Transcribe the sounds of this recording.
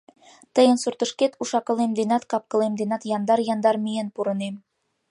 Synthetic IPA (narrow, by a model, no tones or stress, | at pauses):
t̪ɤ̆jɤ̆nsuɾt̪ɤ̆ʃket̪uʃɑkɤ̆lˠemd̪enɑt̪kɑp̚kɤ̆lˠemd̪enɑt̪jɑnd̪ɑɾjɑnd̪ɑɾmijenpuɾɤ̆nem